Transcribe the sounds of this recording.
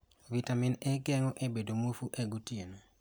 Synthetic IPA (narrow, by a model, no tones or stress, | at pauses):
vitaminɛɡɛŋɔʔebedomofuʔeɡutieno